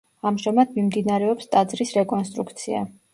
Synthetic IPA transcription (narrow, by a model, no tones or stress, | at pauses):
amʒamad̪mimd̪inaɾɛɔpst̪ʼad̪zɾisɾɛkʼɔnst̪ʼɾukʰt̪sʰia̰